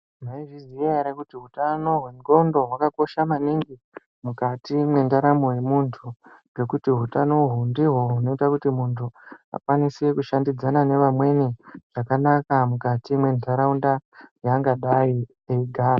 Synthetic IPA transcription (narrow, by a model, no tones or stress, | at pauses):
maiʐizieaɾakutiɦutano̞ɦwe̞ŋɡo̞ndo̞ɦwakako̞ʃamaniŋɡi | mukatimwe̞ndaɾamoje̞muntʰuɡe̞kutiɦutano̞ɦundiɦo̞ɦuno̞itakutimuntʰua̰kwanisekuʃandid͡zanane̞ʋamwe̞niʐ̥akanakamukatimwe̞ndʱaɾaundajaŋɡaɗai | eiɡʱaːra